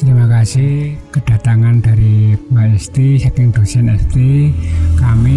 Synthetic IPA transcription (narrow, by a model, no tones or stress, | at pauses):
t̪əɾimakasɪhkəɖ̥a̤t̪aŋand̥a̤ɾibaɛst̪isakɪŋd̪̥o̤sɛnɛst̪ikami